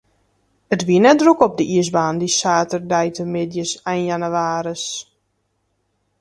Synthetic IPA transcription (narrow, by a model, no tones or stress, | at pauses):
ətʋiənɛt̚drukɔp̚dəʔiəs̬baːndisaːtərdɛjtəmɪdjəsɛjnjanəʋaːɾəs